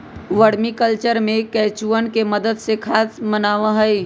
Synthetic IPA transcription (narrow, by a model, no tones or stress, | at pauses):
ʋəɽmikəlt͡ʃəɾmẽkɛːt͡ʃuənkeməd̪əd̪sekʰaːsmənaːʋãɦəi